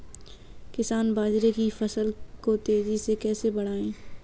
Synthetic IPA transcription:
kɪsaːnbaːd͡ʒɾekifɐsəlkot̪eːzisekɛːsebɐɽ̤aːẽː

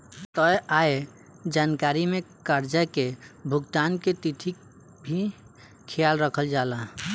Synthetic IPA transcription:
t̪ɔjʔae | d͡ʒankaɾimekəɾd͡ʒakebʱuɡt̪anket̪iʈ̪ʰik̚ | bʱi | kʰijalɾəkʰəld͡ʒala

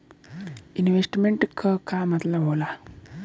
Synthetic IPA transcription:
inʋesʈmeɳʈkəkamat̪laɦola

